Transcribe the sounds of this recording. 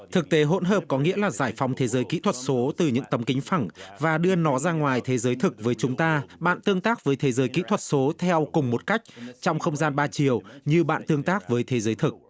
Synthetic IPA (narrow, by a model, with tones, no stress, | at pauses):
t̪ʰɨ˨˩k̚t̪e˨˦ɦo̰˧˥nɦəː˨˩p̚kɔ˨˦ŋḭ˧˥əlaː˨˩zaː˧˩jfa˨˦wŋ͡mt̪ʰe˨˦zəː˨˦jkḭ˧˥t̪ʰwə˨˩t̚so˨˦t̪ɨ˨˩ɲɨ̰˧˥ŋt̪ə˨˦mkï˨˦ŋ̟fa˨˧˩ŋvaː˨˩ɗɨ˧ənɔ˨˦zaː˧ŋwaː˨˩jt̪ʰe˨˦zəː˨˦jt̪ʰɨ˨˩k̚vəː˨˦jt͡ɕʊ˨˦ŋ͡mt̪aː˧ɓa̰ː˧˨nt̪ɨ˧əŋt̪aː˦˥k̚vəː˨˦jt̪ʰe˨˦zəː˨˦jkḭ˧˥t̪ʰwə˨˩t̚so˨˦t̪ʰɛ˧wkʊ˨˩ŋ͡mmo˨˩t̚ka˦˥jk̚t͡ɕɔ˧wŋ͡mxə˧wŋ͡mzaː˧nɓaː˧t͡ɕi˨˩əwɲɨ˧ɓa̰ː˧˨nt̪ɨ˧əŋt̪aː˦˥k̚vəː˨˦jt̪ʰe˨˦zəː˨˦jt̪ʰɨ˨˩k̚